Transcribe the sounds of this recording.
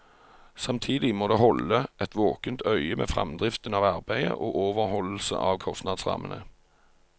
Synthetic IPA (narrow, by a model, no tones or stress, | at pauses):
sɑmt̪ʰiːd̪ɪmoːd̪eːhɔləʔɛt̪ʰʋoːkənt̪ʰœʏəmḛːfʁɑ̰md̪ʁɪft̪ənɑːʋɑʁbæɪə̰ʔoːʔoːʋəʁhɔll̩sə̰ʔɑːʋkʰɔst̪nɑːd̪sʁɑ̰ːmənʔə